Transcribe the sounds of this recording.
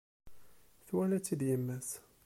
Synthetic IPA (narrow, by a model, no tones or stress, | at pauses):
θwælæt͡sːid̪jəmːæs